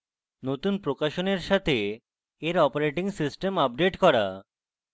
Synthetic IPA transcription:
not̪unpɾokaʃoneɾʃat̪ʰeː | ɾɔpoɾeʈiŋsisʈemap̚ɖeʈkɔɾa̰

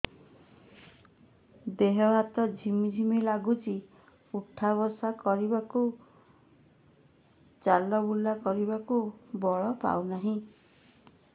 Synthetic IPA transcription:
d̪eɦɔbat̪ɔd͡ʒʱimid͡ʒʱimilaɡut͡ʃi | uʈʰːaβɔsakɔɾibaku | t͡ʃalɔbulːakɔɾibakubɔɭɔpa̰wnaɦĩ

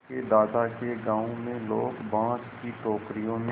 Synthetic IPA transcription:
ked̪aːd̪akeɡãːõmẽloːkbãːt͡ʃkiʈɔːkɾijõm

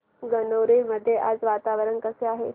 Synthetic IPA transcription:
ɡənoɾiməd̪ʱːjeʔad͡zʋat̪aʋəɾənkəseaɦe

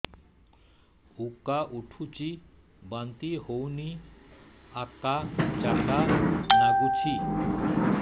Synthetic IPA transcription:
ukːaʔuʈʰut͡ɕi | bant̪ihowni | akːat͡ʃakanaɡut͡ɕʰi

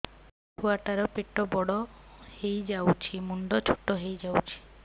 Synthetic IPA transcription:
huaʈaɾɔpeʈɔbɔɽɔhejd͡ʒawt͡ʃʰimuɳɖɔt͡ʃʰu̥ʈɔɦejd͡ʒawt͡ʃʰi̥

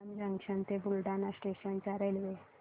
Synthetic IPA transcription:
md͡ʑãŋɡɕənt̪ebulɖanasʈeɕənt͡ɕaɾelʋe

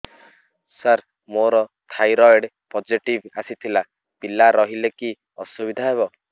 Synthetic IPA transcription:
səɾ | moɾɔt̪ʰajɾɔjɽ | pɔd͡ʒiʈibasit̪ʰila | pilaɾɔɦileki | ɔ̰subid̪ʱaɦeβɔ

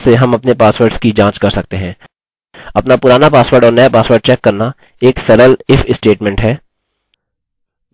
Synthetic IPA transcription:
seɦɐmɐpnepaːsʋəɾɖskid͡ʒãːt͡ʃkɐɾsɐk̚t̪eɦɛ̃ː | ɐpnapʊɾaːnapaːsʋəːɾɖɔːɾnɐjapaːsʋəɾɖ̚t͡ʃɛːkːɐɾna | eːksɐɾəlɪfʰɪsʈeːʈmɛ̃ɳʈɦɛː

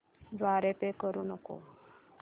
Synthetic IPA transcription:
d̪ʋaɾepekəɾuːnəko̰

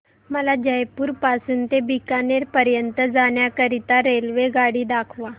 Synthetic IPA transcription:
məlad͡ʑəjpuːɾpasuːnt̪ebikaneɾpəɾjənt̪əd͡zaɳjakəɾit̪aɾelʋeɡaɽiːd̪akʰʋa

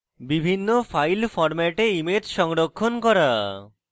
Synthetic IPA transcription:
bibʱinːofajlfɔɾmɛʈeimet̪ʃɔŋɾokʰːonkɔɾa

